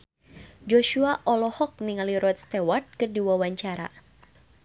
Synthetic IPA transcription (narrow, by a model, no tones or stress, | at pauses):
d͡ʒoʃuaʔɔlɔhɔk̚niŋaliɾɔt̪̚st̪ɛwart̪̚kɨrdiwawaɲt͡ʃaɾa̰